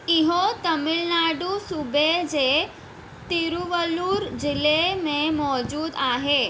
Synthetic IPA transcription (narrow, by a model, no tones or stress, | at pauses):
ɪɦot̪ɐmɪlnaːɖusubed͡ʑe | t̪iɾuʋəluːɾd͡ʒɪlemẽmɔːd͡ʒuːd̪aːɦeː